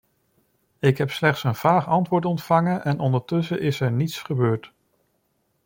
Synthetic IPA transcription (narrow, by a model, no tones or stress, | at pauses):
ɪkɦɛpslɛχtsənv̥aːχɑntʋʊːɹtɔntfɑŋənʔɛnɔndəɹtɵsəʔɪsɛɹnitsχəbøːɹt